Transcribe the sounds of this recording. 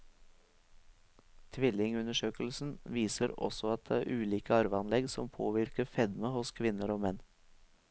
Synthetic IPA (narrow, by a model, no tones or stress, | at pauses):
t̪ʰʋɪlɪŋʉnəʃøːkəl̩sn̩ʋiːsəɾɔ̰sɔɑt̪̚d̪ḛæːɾʔʉːliːkəɑɾʋəɑnlɛɡsɔmpʰoːʋɪɾkəfɛd̪məhʊskʰʋɪnəɾoːmɛn